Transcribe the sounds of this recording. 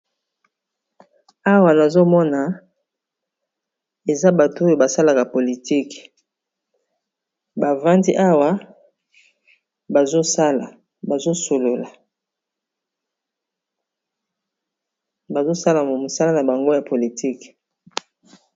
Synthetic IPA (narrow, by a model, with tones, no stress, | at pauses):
a˦wa˨na˨zo˦mɔ˦na˨ | e˨za˦ba˨to˦o˦jo˨ba˨sa˦la˨ka˨po˨li˨ti˦k | ba˨va˦ndi˦ʔa˦wa˦ | ba˨zo˦sa˦la˨ | ba˨zo˦so˨lo˨la˨ | ba˨zo˦sa˦la˨mo˨mo˨sa˦la˦na˨ba˨ŋɡo˦ja˨po˨li˨tʰi˦k